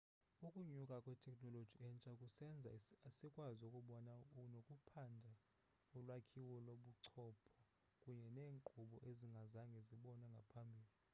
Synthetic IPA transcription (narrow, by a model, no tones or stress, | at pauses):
ukʼuɲukʼakʼwɛtʰɛkʼnɔlod̥ʒ̥ʱiɛnt͡ʃʼakʼusɛnd͡zʱa̰sikʼwazokʼuɓɔnaunokʼupʰandʱa | ulwakʰiwɔloɓuǀʰɔːpʰɔ̥ | kʼuɲɛneːŋǃuɓɔʔeziŋɡʱazaŋɡʱɛziɓɔnaŋɡʱapʰambʱiːli